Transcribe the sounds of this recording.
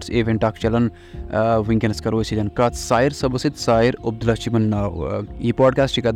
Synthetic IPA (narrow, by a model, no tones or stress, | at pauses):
ʈseːʋeɳʈaːkʰt͡ʃɐlɐn | ʋiŋkʲenɐskɐɾoːsid͡ʒɐnkɐt̪saːiɾsɐbɐsit̪saːiɾɐb̚d̪ulaːt͡ʃimɐnːaːwiːpaːɖkaːsʈt͡ʃʰikɐd̪